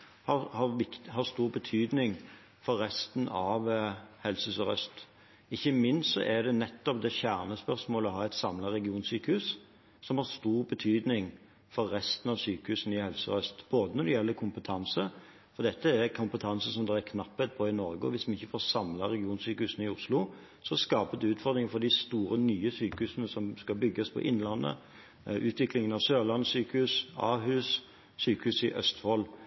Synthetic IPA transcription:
hɑhɑɾʋɪk̪hɑst̪uːʁbət̪ʰyːd̪nɪŋ | fɔɾːɛst̪nɑʋhɛlsəʉsɔɾœ̰st̪ | ɪçːəmɪnstsɔ̰ʔæd̪ɛnɛt̪ːɔp̚d̪ɛçæʁnəspœɾsmoːləɔɦɑːɛɪt̪sɑmlɑɾɛɡɪuːnsyːkəhʉːs | sɔmhɑɾst̪uːʁbət̪ʰyːd̪nɪŋ | fɔɾːɛst̪n̩ɑʋsyːkəhʉsn̩ɪhɛlsɔ̰ɾœst̪b̥oːd̪ənɔɾd̪ɛjɛlːəɾkʰʊmpət̪ʰɑnsə | fɔd̪ɛt̪ːəækʰʊmpət̪ʰɑnsəsɔmd̪ɛækʰnɑpːɛt̪̚pʰɔɪnɔɾɡəɔ̰ʋɪsmɛnɪçːəfoːsɑmlɑɾɛɡɪuːnsyːkəhʉːsn̩ɪʊslʊ | sɔskɑːpət̪ʉːt̪fɔʁd̪ɾɪŋəfɔd̪ɪst̪uːɾənyːəsyːkəhʉːsənəsɔmskɑbʏɡːəspʰɔ̰ʔɪnlɑnːə̰ | ʔʉːt̪ʰʋɪklɪŋənɑʋsøːlɑnsyːkəhʉːsɑːɦʉːs | syːkəhʉːsɪʔœ̰st̪fɔl

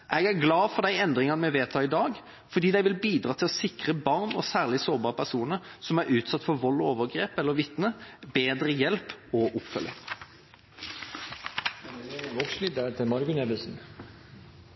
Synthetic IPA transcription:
ʔɛɡæʁɡlɑːfɔʁd̪æɪɛnd̪ʁɪŋɑnəmɛʋeːt̪ʰɑːɪd̪ɑːɡ | fɔɾd̪iːd̪æɪʋɪlbiːd̪ɾɑːt̪ʰɪlɔsɪkʁəbɑʁnɔ̰sæːʁlɪsoːbɑːʁpʰæʁsuːnəɾsɔmæɾʉːt̪sɑt̪ːfɔɾʋɔlːɔoːʋəʁɡɾeːpɛlːəɾʋɪt̪nəbeːd̪ɾəjɛlpɔʔʊpfœlːə̰ | ɛeəʋɔkslid̪ət̪ʰɪlmɑɾɡʉnɛʋəlsn̩

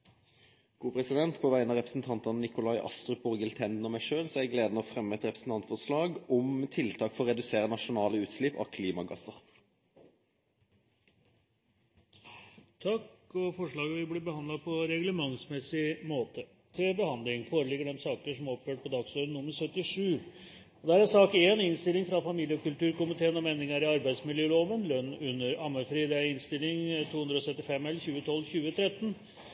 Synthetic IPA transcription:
ɡ̥uːpʰɾɛsɪd̪ɛnt̪pʰɔʋæɪənɑʁɛpɾə̥sn̩t̪ʰɑnt̪ənnɪkʊlɑɪʔɑ̰st̪ɾʉbɔʁɡəlt̪ʰɛnd̪n̩ɔmæɪʂøːlsɔɛɡleːd̪nəɔfʁɛmːəɛt̪ʁɛpɾəsn̩t̪ɑnt̪fɔʁʂlɑːɡɔmt̪ʰɪlt̪ʰɑːkfɔʁʁɛd̪ʉseːʁənɑʂʊnɑːləʉːt̪ʃlɪpɑ̰kʰliːmɑɡɑsəʁ | t̪ʰɑkɔfɔʂɭɑːɡəʋɪblɪbəhɑnd̪lɑpʰɔɾɛɡləmɑŋsmɛsɪmoːt̪ʰə | t̪ʰɪlbəhɑnd̪lɪŋfoːɾəɭɪɡəɖɛmsɑːkəʂɔmæɾɔpjøːʈ̚pɔd̪ɑɡsoːɾənːʊmːəɾsœt̪ːɪʂʉː | ɔd̪æːɾæsɑːkeːnɪnst̪ɪlːɪŋfɾɑfɑmiːlɪəɔkʉlt̪ʉːɾkʊmɪt̪ʰeːənɔmeːnɪŋɑɾɪɑɾbæɪsmɪljøːloːʋənlœnːʉnːəɾɑməfɾiːd̪ɛæɾɪnst̪ɪlɪŋt̪ʰuːhʉnd̪ɾɔsœt̪ːɪfɛmːɛlçʉːət̪ʰɔlːçʉːət̪ʰɾɛt̪ːn

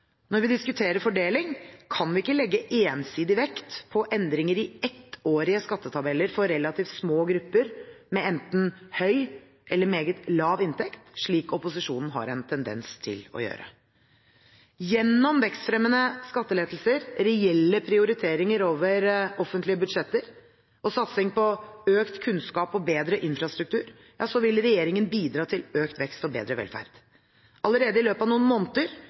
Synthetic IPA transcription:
nɔɾʋɪd̪ɪskʉt̪ʰeːɾəɾfɔɖeːlɪŋkʰɑnʋɪɪkːəlɛɡːəʔeːnsiːd̪ɪʋɛkt̪pʰɔʔɛnd̪ɾɪŋəɾɪɛt̪ːoːɾɪəskɑt̪ːət̪ʰɑbɛlːəɾfɔɾɛlɑt̪ʰiːft̪smoːɡɾʉpːəɾmɛɛnt̪n̩hœʏ | ʔɛlːəɾmeːɡət̪lɑːʋɪnt̪ʰɛkt̪ʂɭiːkɔpʊsɪʂuːnn̩ɦɑ̰ɾɛnt̪ʰɛnd̪ɛ̰nst̪ʰɪ̰lɔ̰jø̰ːɾə̰ | jɛnːɔmʋɛkst̪fɾɛmːənəskɑt̪ːəleːd̪l̩səɾɾɛɛlːəpʰɾɪʊɾɪt̪ʰeːɾɪŋəɾoːʋəɾɔfənt̪ʰlɪəbʉd̪ʂɛt̪ːəɾ | ʔɔsɑt̪sɪŋpɔøːkt̪kʰʉnskɑːpɔbeːd̪ɾəʔɪnfɾɑst̪ɾʉk̚t̪ʰʉːɾ | jɑːsɔʋɪlɾɛjeːɾɪŋənbiːd̪ɾɑːt̪ʰɪløːkt̪ʋɛkst̪ɔbḛːd̪ɾəʋɛ̰lfæ̰ɾd̪̥ | ɑləɾeːd̪əɪløːpɑʋnuːnmoːnt̪əɾ

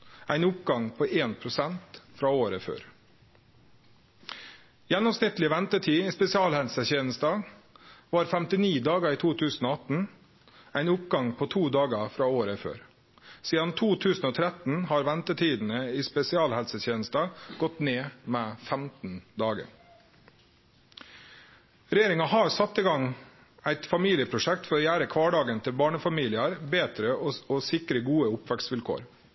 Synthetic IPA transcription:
ʔæɪnʊp̚ɡɑŋpʰoːʔeːnpʰɾʊsɛnt̪fɾɑːoːɾəfø̰ːɾ | jɛnːɔmsnɪt̪lɪʋɛnt̪əʈʰiːiːspɛsɪɑːlhɛlsəçeːnəst̪ɑ | ʋɑːɾfɛmt̪ɪniːd̪ɑːɡəɾiːt̪ʰuːt̪ʰʉːsn̩oːɑt̪n̩ | æɪnʊpɡɑŋpʰoːt̪ʰuːd̪ɑːɡəfɾɑːoːɾəfø̰ːɾ | siːd̪ɑnt̪ʰuːt̪ʰʉːsn̩oːt̪ʰɾɛt̪n̩hɑːɾʋænt̪ət̪ʰiːd̪n̩əiːspɛsɪɑːlhɛlsət̪ʰjeːnəst̪ɑɡ̥ɔt̪neːmɛfæmt̪n̩d̪ɑːɡə̰ | ɾɛjeːɾɪŋɑhɑɾsɑt̪ːɪɡɑŋ | æɪt̪fɑmiːlɪəpʰɾʊʂɛk̚t̪fɔɾɔːjæːɾəkʰʋɑːɖɑːɡənt̪ʰɪlbɑːɳəfɑmiːlɪɑɾbeːt̪ɾəɔɔsɪkɾəɡuːəʊpʋækt̪sʋɪlkʰo̰ːɾ

